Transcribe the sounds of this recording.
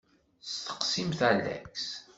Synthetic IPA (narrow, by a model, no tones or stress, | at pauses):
st̪ə̥qsimθælːæ̰ks